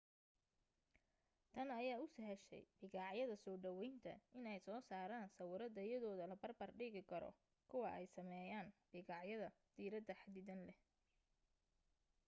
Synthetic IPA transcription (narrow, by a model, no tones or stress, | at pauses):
t̪ʰɐnɐjaːʊsɐɦɛʃɛ̰jb̥ɪɣaʕjɐðɐsɔːɖɐwɛjnt̪ʰɐ̰ɪnɛjsɔːsaːɾaːnsɐwʊɾɐd̪ɐjɐðɔːðɐlɐbɐrbɐrɖɪɣɪkʰɐɾɔ̰ | kʰʊwɑʔɛjsɐmɛːjaːnbɪɣɑʕjɐðɐd̪̥iːɾɐd̪ɐħad̪ɪðɐnlɛh